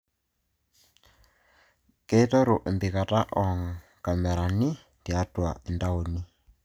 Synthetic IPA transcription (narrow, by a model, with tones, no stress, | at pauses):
ke˦tɔ˦ɾo˨ʔe˨mbi˨ka˨ta˦ʔɔ˨ŋ | ka˨mɛ˨ɾa˨ni˦ | ndja˦twa˨e˨nda˦o˨ni˦